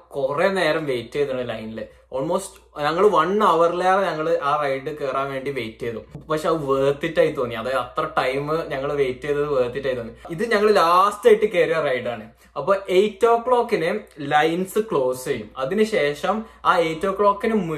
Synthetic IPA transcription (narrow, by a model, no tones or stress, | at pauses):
kurene̞ːɾɐmʋe̞ːtːejɐðaɳɨlɐjnile | oːlmo̞ːstɨ̥ɲɐŋːɐɭʋɐɳɐʋɐrilaːrɲɐŋːɐɭɨʔaːrɐjɖɨkeːraːnʋe̞ːɳɖiʋeːjtːijɐðupɐkʂeɐðɨʋeːt̪ːitːaːjit̪ːoːnːiɐðaːjðɐt̪rɐʈɐjmɨɲɐŋːɐɭʋeːtːijɐðɐðɨʋeːt̪ːitːaːjit̪ːoːnːiiðɨɲɐŋːɐɭlaːstɐjiʈːɨkeːɾijarɐjɖaːɳɨ | ɐpːoːejtːoːkɭoːkːinɨlɐjnsɨkɭo̞ːsejumɐðinɨɕe̞ːʂɐmaːeːtːo̞ːkːɭoːkːinɨm